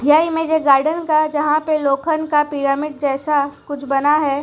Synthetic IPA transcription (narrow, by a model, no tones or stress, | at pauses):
d̪ʱjaːimẽd͡ʒeɡaːɾɖənkad͡ʒɐɦãpeloːkʰənkapɪːɾaːmɪɖ̚d͡ʒɛːsakʊt͡ʃʰbɐnaɦɛː